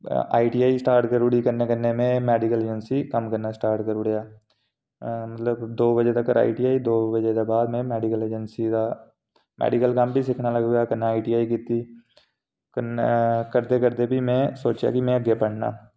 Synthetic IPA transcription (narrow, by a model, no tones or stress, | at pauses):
a̰ːiʈijaːisʈaːɾʈkəɾuɽikəɾnekəɾnemẽmɛːɖɪkəleːd͡ʒənsikɐmkəɾnasʈaːɾʈkəɾʊɽejaː | mɐt̪ləbd̪oːbəd͡ʒet̪ɐkːəɾa̰ːiʈiaːid̪oːbəd͡ʒet̪ebaːd̪mẽmɛːɖɪkəleːd͡ʒənsid̪a | mʔɛ̰ːɖɪkəlkɐmbʱisɪkʰnalɐɡɡjakɐnaaːiʈiːaːikit̪ːi | kəkəɾt̪ekəɾd̪ebʱimẽsoːt͡ʃja̰kimẽɐɡjepəɽ̤na̰ː